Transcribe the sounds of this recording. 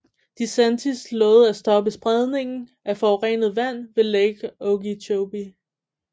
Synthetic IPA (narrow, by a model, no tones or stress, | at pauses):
d̥isænt͡sʰislɔ̽ːð̞̩ˠæsd̥ɒ̽b̥əsb̥ʁɛð̞ˠne̝ŋn̩ | æfɒːʊʁḛnð̞̩ˠʋæn̰ʋe̝leɡ̥ɔɡit͡ɕʰoʊb̥i